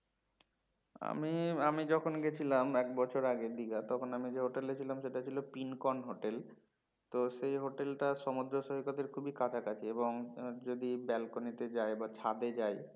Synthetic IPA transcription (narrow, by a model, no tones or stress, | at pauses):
a̰miamid͡ʑɔkʰonɡet͡ɕʰilamɛk̚bɔt͡ɕʰoɾaɡed̪iɡat̪ɔkʰonamid͡ʑeɦoʈelet͡ɕʰilamʃeʈat͡ɕʰilopinkɔnɦoʈel | t̪oʃejɦoʈelʈaʃɔmod̪ɾoʃoɦikot̪eɾkʰubikat͡ɕʰakat͡ɕʰieboŋd͡ʑod̪ibɛlkonit̪ed͡ʑaebat͡ɕʰad̪ed͡ʑaj